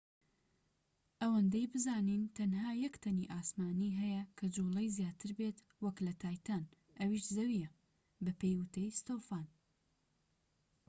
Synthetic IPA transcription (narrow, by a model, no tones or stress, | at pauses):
ʔɐwɐnd̪ɐjbɨzaːnint̪ʰɐnɦaːjɛkt̪ʰɐnḭʔaːsmaːniːɦɛjɐkʰɐd͡ʒulˠɐjzjaːt̪ʰɨɾbet̪ | wɐklɐt̪ʰaːjt̪ʰan | ʔɐwiʃzɐwijɐ | bɐpejwʊt̪ʰɐjst̪oːfaːn